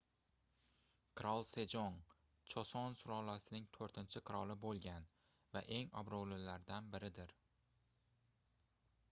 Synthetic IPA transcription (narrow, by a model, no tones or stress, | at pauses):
kʰɾɒlˠse̞d͡ʒɒn | t͡ʃʰɒsɒnsʊɾɒlasɪnɪŋt̪ʰoɾt̪ʰɪnt͡ʃʰɪqʰɨɾɒlˠɪbolˠɡʲan | va̰ʔe̞ŋɒ̰bɾolɪlaɾd̪anbɪɾɪd̪ɪɾ